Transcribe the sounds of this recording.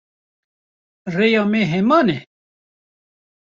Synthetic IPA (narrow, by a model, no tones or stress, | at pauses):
rejɑːmeɦɛmɑːnɛ